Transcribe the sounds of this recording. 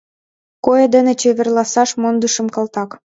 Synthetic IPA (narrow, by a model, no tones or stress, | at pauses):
kojed̪ĕnĕt͡ɕeβĕrlɑsɑʃmond̪əʃə̆mkɑlt̪ɑk